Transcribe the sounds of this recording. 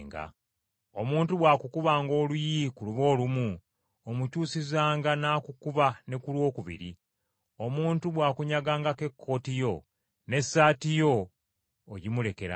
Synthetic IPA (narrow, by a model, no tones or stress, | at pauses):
ŋɡa̰ | o̞muːntuβwaːkukuβaːŋɡo̞ːlujikuluβo̞ːlumu | omucuːsizaːŋɡanaːkukuβane̞kulwo̞ːkuβḭɾḭ | o̞muːntuβwaːkuɲaɡaːŋɡake̞kʰːo̞ːtijo̞ | ne̞saːtijo̞ː | ɟimule̞ke̞ɾa̰